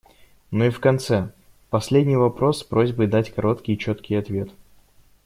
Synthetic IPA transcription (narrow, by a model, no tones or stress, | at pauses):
nuifkɐnt̪sɛ | pɐsʲlʲedʲnʲɪjvɐpɾo̞sːpɾo̞zʲbɨjd̪atʲkɐɾo̞t̪kʲɪjt͡ɕot̪kʲɪjɐt̪vʲe̞t̪